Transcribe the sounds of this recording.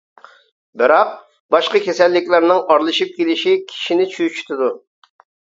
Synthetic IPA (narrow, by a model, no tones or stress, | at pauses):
bɪɾɑq̚ | bɑʃqɑkʲʰesɛlːɪkʲlɪɾnɪŋɑɾlˠɨʃip̚kʲelɪʃikʲʰi̥ʃinɪt͡ʃʰyt͡ʃʰy̥t̪ʰɪd̪u